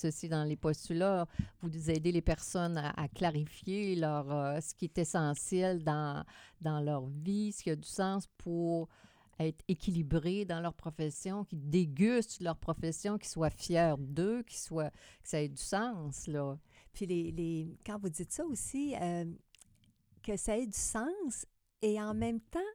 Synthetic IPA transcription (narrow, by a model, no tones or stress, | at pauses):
səsid̪ɑ̃lepɔst̪ylavuzɛːd̪elepɛʁsɔna̰ʔa̰klaʁifjelœːʁøsə̥kʲiɛt̪ɛsɑ̃sjɛld̪ɑ̃d̪ɑ̃lœʁvisə̥kʲiad̪ysɑ̃spʰuʁ | ɛːt̪χekʲʰilibʁed̪ɑ̃lœʁpʁɔfɛsjɔ̃kʲid̪eɡʲyst̪lœʁpʁɔfɛsjɔ̃kʲi̥swafjɛːʁd̪økʲi̥swakə̥saɛd̪ysɑ̃slɔpʰɥilelekɑ̃vud͡zɪt̪sɔosiø | kəsaɛd̪ysɑ̃s | eɑ̃mɛ̃mt̪ã